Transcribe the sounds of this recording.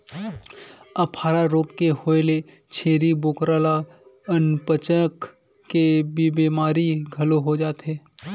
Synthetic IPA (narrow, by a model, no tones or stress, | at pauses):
ɐpʰaːɾaɾoːkkehoːele | t͡ʃʰeːɾiboːkɾaːla | ənpət͡ʃək | kːebibiːmaːɾiɡʱɐloɦod͡ʒaːt̪ɦɛː